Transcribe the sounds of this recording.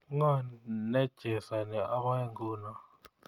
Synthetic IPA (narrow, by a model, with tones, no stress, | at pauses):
ŋa˦˨nɛ˦d̥ʒ̥ʱɛ˨sa˨nɛ˨ʔa˦ɓa˦e˦ŋɡuː˦na˦˨